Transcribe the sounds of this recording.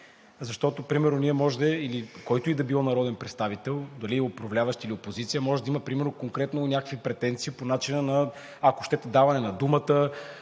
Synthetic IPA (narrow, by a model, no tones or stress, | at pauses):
zɐʃt̪ɔt̪opɾimɛɾnʊniɛmɔʒd̪ɛilikɔjt̪ʊid̪ɐbilˠɔnɐɾɔd̪ɛnpɾɛt̪st̪avit̪ɛlˠd̪ɐliopɾɐvlʲavɐʃt̪iliopozit̪sijəmɔʒɛd̪ɐiməpɾimɛɾnokoŋkɾɛt̪nonʲakəkvipɾɛt̪ɛnt̪siponat͡ʃinənɐː | ko̥ʃt̪ɛt̪ɛd̪avɐnɛnɐd̪umət̪ə